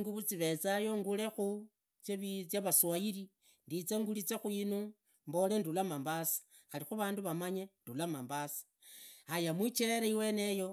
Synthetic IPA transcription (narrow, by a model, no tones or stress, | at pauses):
ŋɡuβut͡siβe̞t͡sajo̞ŋɡule̞xu | t͡ʃeβt͡sjaβaswajiɾi | ndit͡seŋɡulit͡sexuinu | mbo̞le̞ndulamambasḁ | xalixuβaːnduβamaɲendulamambasḁ | ajamwit͡ʃeeɾaiwe̞ne̞jo̞